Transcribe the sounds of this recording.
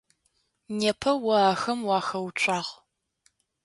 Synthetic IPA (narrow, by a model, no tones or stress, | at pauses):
neːpʰɐwɐaːxɐmwɑːxɐwt͡ʃʷʼɑːʁ